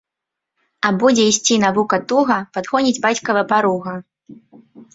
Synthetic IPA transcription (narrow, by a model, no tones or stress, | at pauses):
ɐbud͡zʲɛisʲt͡sʲinavukɐt̪uɣɐpad̪ɣɔnʲid͡zʲbat͡sʲkɐvɐpaɾuɣɐ